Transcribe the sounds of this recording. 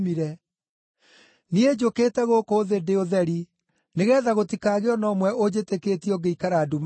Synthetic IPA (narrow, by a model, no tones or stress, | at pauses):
miɾɛ | nied͡ʒokeːtɛɣokoðedeoðɛɾi | neɣɛːðaɣotikaːɣeɔnɔmwɛʔod͡ʑeteketiɔɡeikaɾaːdum